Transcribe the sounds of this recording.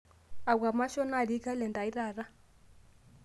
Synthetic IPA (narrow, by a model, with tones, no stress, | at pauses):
a˨ɡa˨ma˦ʃɔ˦na˦˨ɺi˦ka˦lɛ˨nda˨i˦raː˨ra˦